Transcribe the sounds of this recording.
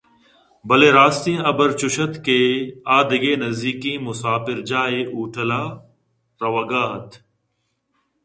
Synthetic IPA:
bɐleːɾaːst̪ĩɐbəɾt͡ʃʊʃət̪keːaːd̪ɪɡeːnɐzd̪iːkĩːmʊsaːfɪɾd͡ʒaːeːʔuːʈʰəlaː | ɾɐʋəɡaːɦɐt̪ʰ

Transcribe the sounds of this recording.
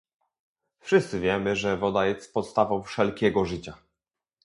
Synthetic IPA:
fʂɘst̪sɘvʲjɛmɘʐɛvɔd̪ajɛst̪pɔt̪st̪avɔ̃w̃fʂɛlkʲɛɡɔʐɘt͡ɕa

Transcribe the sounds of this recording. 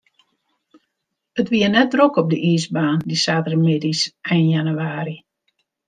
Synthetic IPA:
ətʋiənɛt̚drokɔp̚dəʔiːzbaːndisaːtərmɪdisʔɛjnjanyaːɾi

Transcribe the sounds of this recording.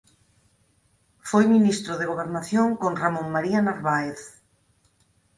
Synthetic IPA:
fojminist̪ɾoðeɣ̞oβ̞eɾnaθjoŋkoŋramõŋmaɾianaɾβaeθ

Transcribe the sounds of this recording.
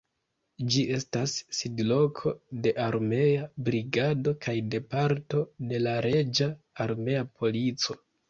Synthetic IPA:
d͡ʒie̞stasːidlo̞kʰo̞de̞ʔaɾme̞abɾiɡado̞kʰajde̞paɾto̞de̞laɾe̞d͡ʒaː | ɾme̞apʰo̞lit͡so̞

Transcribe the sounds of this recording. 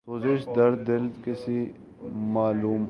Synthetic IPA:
soːzɪʃd̪ɐɾd̪ɪlkesi | maːluːm

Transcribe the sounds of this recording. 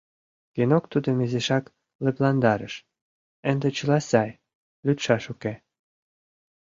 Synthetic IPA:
kenokt̪ud̪ə̆mezeʃɑk | lĕplɑnd̪ɑɾə̰ʃ | ə̆nd̪ĕt͡ɕə̆lɑsɑj | lʲyt̪ʃɑʃuke

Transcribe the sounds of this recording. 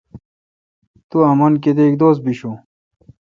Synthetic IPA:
t̪uɐmɐnk̬ed̪eikd̪oːs̬̚biɕu

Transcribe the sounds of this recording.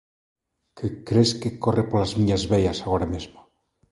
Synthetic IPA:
kʰekɾeskekorʔepolazmiɲazβeʎasaɣoɾamezma

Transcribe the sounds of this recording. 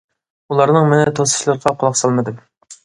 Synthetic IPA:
ulˠɑɾnɨŋmɪnɛt̪ʰosɨ̥ʃlˠɨɾʁɑqʰʊlˠɑqsɑlˠmɨd̪ɨm

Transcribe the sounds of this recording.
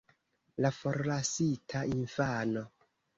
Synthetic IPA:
lafo̞ɾlasitʰainfano̞

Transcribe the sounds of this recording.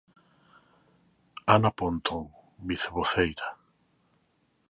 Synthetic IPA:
anapont̪oŋbiθeβoθejɾa

